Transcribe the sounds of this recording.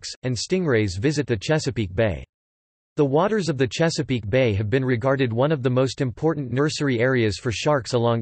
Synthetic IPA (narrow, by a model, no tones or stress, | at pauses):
ksɨ̃nstɪ̃ŋɹeɪzvɪzɨt̪̚ðɨt͡ʃʰæsɨpik̚b̥eɪ | ðəwɔɾə˞zʌvðɨt͡ʃʰæsɨpik̚b̥eɪɨvbɨ̃nɹɨɡɑɹɾɨd̚wʌ̃nʌvðəmoʊstɨ̃mpʰɔɹʔn̩nə˞sə˞iɛɹiɨz̥fə˞ʃɑɹksəlɔ̃ŋ